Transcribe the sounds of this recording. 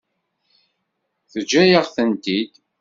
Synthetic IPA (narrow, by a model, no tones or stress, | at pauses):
θəd͡ʒːæjəʁθənt̪id̪